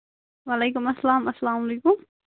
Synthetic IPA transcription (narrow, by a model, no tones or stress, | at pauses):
walejkʊmɐsːalaːmɐsːalaːmleːkʊm